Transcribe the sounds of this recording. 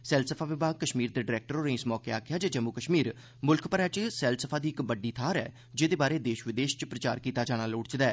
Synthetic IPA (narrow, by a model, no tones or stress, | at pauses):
sɛːlsəpʰaːʋɪbaːɡ̚kəʃmiːɾd̪eːɖɪɾɛːk̚ʈəɾoːnẽːɪsmɔːkeaːkʰɪjaːd͡ʒaːd͡ʒəmukəʃmiːɾ | mʊlkʰpəɾɛːt͡ʃsɛːlsəpʰaːd̪iːɪkbəɖːiːt̪ʰaːɾɛ̰ː | d͡ʒeːd̪eːbaːɾeːd̪eːʃʋɪd̪eːʃt͡ʃpɾət͡ʃa̰ːɾkiːt̪aːd͡ʒaːɽ̃aːloːɽt͡ʃd̪ɛː